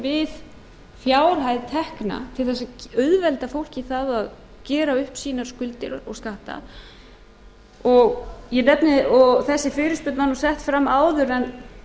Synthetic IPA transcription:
vɪð | fjaːwɾ̥ɦajðt̪ʰɛhkna̰t̪ʰɪlθɛsːaœðvɛlt̪afowl̥ciθaðað | cɛːɾaʏhpsiːnaɾ̥skʏlt̪ɪɾɔ̰ɣskaht̪a̰ | ɔɣjɛnɛpnɪɔɣθɛsːɪfɪːɾʏspʏt̪manːɔsɛht̪fɾamːaːwðʏɾɛn

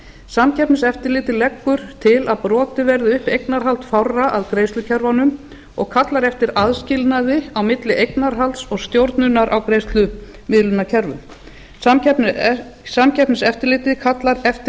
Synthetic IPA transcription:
samcʰɛpnɪsɛft̪ɪɾlɪːt̪ɪlɛkːʏɾ̥t̪ʰɪlaðpɾɔːt̪ɪvɛɾðʏʏhpejknaɾɦalt̪fawraʔaðkɾejst̪lʏcʰɛɾvanʏm | ɔɣkʰat̪laɾɛft̪ɪɾaðscɪlnaðɪawmɪt̪lɪʔejknaɾ̥ɦalt̪sɔɣst̪jowɾt̪nʏnaɾʔawkɾejst̪lʏ | mɪðlʏnːacʰɛɾvʏ̰m | saɛ | samcʰɛpnɪsɛft̪ɪɾlɪːt̪ɪkʰat̪laɾɛft̪ɪ

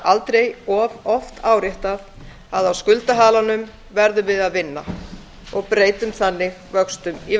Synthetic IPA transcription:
alt̪ɾejɔvɔft̪ʰaːwɾjeht̪aθ | aðawskʏlt̪aɦaːlanʏm | vɛɾðʏvɪðaðvɪnːa | ɔɣpɾeːjt̪ʏmθanːɪɣvœkst̪ʏmi

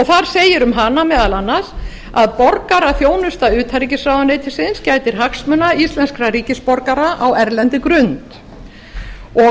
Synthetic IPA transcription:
ɔɣθaɾ̥seːjɪɾʏmɦanːamɛːðalanːas | aðpɔɾkaɾaθjoːwnʏst̪aʏːt̪haɾiːcɪsraːwvanɪt̪ʰɪsɪnscaːjt̪ɪɾ̥ɦaksmʏnaist̪lɛnskɾaɾiːcɪspɔɾkaɾaʔawɛɾlɛnt̪ɪkɾʏnt̪ | ɔ

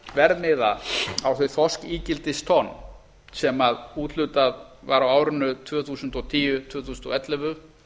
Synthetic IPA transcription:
vɛɾðmɪːðaawθœɥθɔskiːcɪlt̪ɪst̪ʰɔnː | sɛmaðuːt̪lʏt̪aðvaɾawaːwɾʏnːʏt̪ʰvœːθuːsʏnt̪ɔt̪ʰiːjʏt̪ʰvœːθusnt̪ɔ̰ɛt̪lɛvʏ

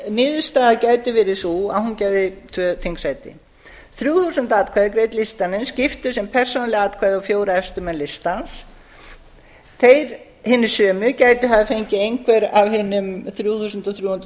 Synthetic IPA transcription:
nɪːðʏst̪aːðaðcaːjt̪ʏvɪɾɪsuahuncajðɪt̪ʰvœːt̪ʰiŋksajt̪ɪ̰ | θɾjuːθusʏnt̪aːtkʰvaːðɪk̬ɾeːjt̪list̪anɪnscɪft̪ʏsɛmpʰɛr̥sɔnalɪɣat̪kʰvaːðawfjoːwɾaɛst̪ʏmɛnlɪst̪ans | θejɾ | hɪnːɪ̥sœːmʏcaːjt̪ʏθaðafejɲcɪejŋkʰvɛɾavɦɪnːʏmθɾjuːθusʏnt̪ɔθɾjuːhnt̪

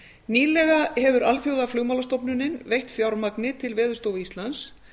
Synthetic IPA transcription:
niːlɛɣahɛvʏɾalfjowðaflʏːɣmawlast̪owpnʏnːɪnvejht̪fjawɾmaknɪt̪ʰɪlvɛːðʏ̥ɾst̪owvist̪lans

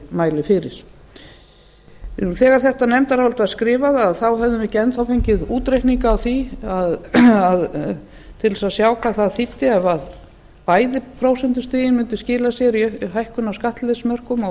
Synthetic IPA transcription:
maːjlɪfɪɾɪɾ̥ | θɛːɣaɾ̥θɛht̪anɛmt̪aɾavɔlt̪vaɾ̥skɾɪːvaðaðθawɦɛvðʏmɛcɛnt̪θawfejɲcɪðuːt̪ɾejkniŋkaːwθiaðað | t̪ʰɪlɛsaðsjaːwkʰaːðθaðθit̪ːɪɛvað | paːjðɪpʰɾoːwsɛnt̪ʏst̪ɪːjɪnmʏnt̪ʏscɪːlasjɛɾiœɦajhkʏnːaskaht̪lɛsmœr̥kʏma

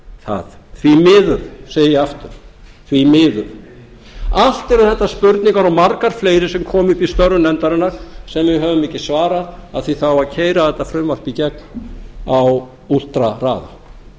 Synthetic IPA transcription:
θa̰ðθvimɪːðʏðseːjɪjaft̪ʏɾ̥ | θvimɪːðʏð | al̥t̪ɪɾaðθɛht̪ːaspʏɾt̪niŋkaɾawmaɾkaɾ̥fleːjɾɪsɛmkʰɔːmʏhpist̪œrːʏnɛnt̪aɾɪnːaɾ̥sɛmvɪɦœːvʏmːɪːcɪsvaːɾaðaðθviθawvaɾcʰeːjɾaðɛt̪afɾʏmvar̥picɛknaw | ul̥t̪ɾara̰ːða̰

